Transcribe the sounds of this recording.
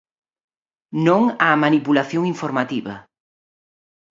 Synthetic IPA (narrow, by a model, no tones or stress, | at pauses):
nõŋamanipulaθjoŋiɱfoɾmat̪iβɐ̰